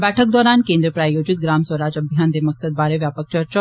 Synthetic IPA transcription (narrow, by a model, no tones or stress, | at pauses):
bæʈʰək̚d̪ɔɾankẽnd̪ɾəpɾajod͡ʑit̪̚ɡɾamsʋəɾad͡ʑəbʱjand̪eməksəd̪̚baɾeʋjapək̚t͡ɕəɾt͡ɕa